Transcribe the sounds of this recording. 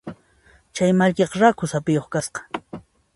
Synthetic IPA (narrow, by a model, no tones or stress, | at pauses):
t͡ʃajmaʎkeqɑɾakʊsapɪjoχkasqɑ̥